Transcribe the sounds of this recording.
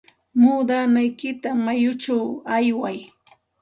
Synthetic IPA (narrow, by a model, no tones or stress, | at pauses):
muːd̪anajkɪt̪amajʊt͡ʃawajwaj